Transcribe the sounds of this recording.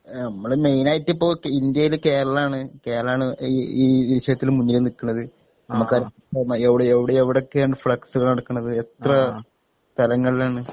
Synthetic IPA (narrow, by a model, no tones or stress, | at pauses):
nɐmːɐɭeme̞jnaːjitːipːo̞ːkːind̪jɐjilke̞ːɾɐɭaːɳɨke̞ːɾɐɭaːɳɨiːʋiɾiɕɐðɐt̪ːilumːuɲːilenikːunːɐðɨ | nɐmukkːɐːɾɐ | ɐrnːɐeʋiɽeʋiɽeeʋiɽo̞kːejaːɳɖɨfɭɐksuɣɐɭnɐɽɐkːunːɐðɨet̪rɐ | t̪ɐlɐŋːɐɭilaːɳɨ